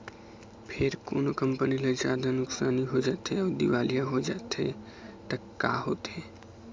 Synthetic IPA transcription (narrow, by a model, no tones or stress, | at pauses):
pʰeɾko̰ːnokəmpəniləd͡ʒaːd̪ənʊksaːniɦod͡ʒat̪ʰeəʋd̪ḭʋaːlijaɦod͡ʒat̪ʰe | t̪ɐkkːaːɦot̪ʰe